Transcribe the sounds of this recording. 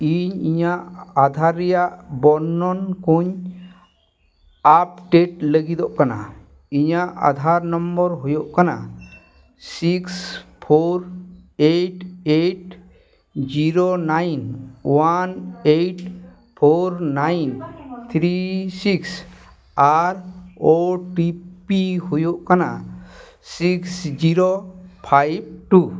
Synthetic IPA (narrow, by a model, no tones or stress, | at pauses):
iɲiɲaʔad̪ʱaɾijaʔbɔnːɔnkoɲ | ap̚ʈeʈləɡid̪ɔʔkana̰ | iɲaʔa̰d̪ʱaɾnɔmbɔɾɦojoʔkana̰ | sikspʰoɾeʈeʈ | d͡ʒiɾonajnwaneʈ | pʰoɾnajnt̪ʰɾisiks | aɾoʈipiɦujoʔkana̰ | siksd͡ʒiɾopʰajb̚ʈu